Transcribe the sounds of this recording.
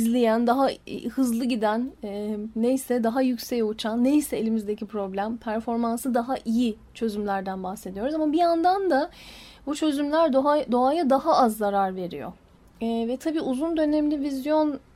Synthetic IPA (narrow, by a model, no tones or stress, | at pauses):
izlʲejænd̪aɦa̰hɯzlˠɯɟid̪ænː | ejsɛd̪aɦajycsejut͡ʃʰanːejsɛelʲimizd̪ecʰipɾo̞blʲæmpʰæɾfo̞ɾmansɯd̪aɦaʔiji | t͡ʃʰø̞zymlʲæɾd̪ænbaxse̞d̪ijo̞ɾuzamabijand̪and̪a | but͡ʃʰø̞zymlʲæɾd̪ad̪o̞ajad̪aɦaazːaɾaɾve̞ɾḭjo̰ | vɛt̪ʰabiːuzund̪ø̞nɛmlʲivizjo̞n